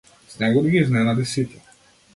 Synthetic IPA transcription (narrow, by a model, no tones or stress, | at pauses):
snɛɡɔd̪iɡʲiznɛnad̪isit̪ʲɛ̥